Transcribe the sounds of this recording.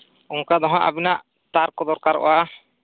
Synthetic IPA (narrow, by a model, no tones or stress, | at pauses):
uŋkad̪ɔɦãʔa̰binaʔ | t̪aɾkɔd̪ɔɾkaɾɔ̰ʔɔ̰a